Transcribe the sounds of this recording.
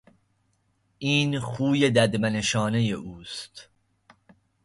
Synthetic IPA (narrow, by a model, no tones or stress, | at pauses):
iːnxuːjed̪æd̪mæneʃɒːnejeʔuːst̪